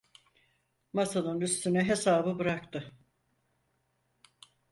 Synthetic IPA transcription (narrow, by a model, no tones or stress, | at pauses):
masanɯnyst̪ʰynɛɦesaːbɯbɯɾak̚t̪ɯ